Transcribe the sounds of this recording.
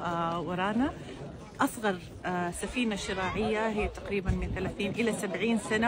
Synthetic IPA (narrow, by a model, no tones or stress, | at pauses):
wɑɾˤɑːna | ʔɑsˤɣɑɾˤ | safiːnaʃːɪɾaːʕɪjːaɦɪjːt̪aqɾiːbanmɪnθalaːθiːnʔɪlasabʕiːnsana